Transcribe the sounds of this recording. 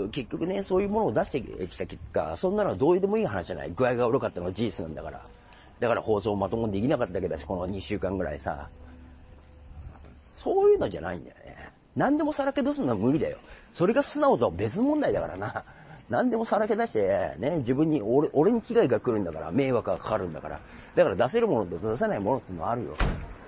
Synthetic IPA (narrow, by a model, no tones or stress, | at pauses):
ke̞kʲːo̞kɯ̟ne̞so̞ːjɯ̟ːmo̞noːd̪aɕi̥t̪ekʲi̥t̪akʲe̞kːa̰sõ̞nːanoad̪o̞ːɯ̟d̪e̞moiːhanaɕiʑana̰iɡɯ̟aiɡaoɾokat̪ːanoɡad͡ʑiːsɨnã̰nd̪a̰kaɾa̰ | d̪̥akaɾa̰ho̞ːso̞ːmat̪o̞mod̪e̞kʲinakat̪ːad̪aked̪aɕi̥konoɲ̟iɕɨːkãŋɡɯ̟ɾa̰ḭsa̰ | so̞ːjɯ̟ːno̞ʑa̰na̰ḭ̃nd̪a̰jonḛ | nãnd̪e̞mo̞saɾake̞d̪os̬ɨnomɯ̟ɡʲid̪a̰jo̞̰so̞ɾe̞ɡasɨnaot̪o̞be̞t͡sɨnomõ̞nd̪aid̪akaɾa̰na | nãnd̪e̞mo̞saɾake̞d̪aɕi̥t̪ened͡ʑibɯ̟̃ɲ̟ːioʔo̞ɾe̞ɲ̟ikʲiɡaiɡakɯ̟ɾɯ̟nd̪akaɾa̰me̞ːβakɯakʰaaɾɯ̟̃nd̪aka̰ɾa̰ | d̪akaɾad̪ase̞ɾɯ̟mo̞not̪ot̪as̬enaimo̞no̞t̪ːeiɯ̟noaaɾɯ̟jo̞̰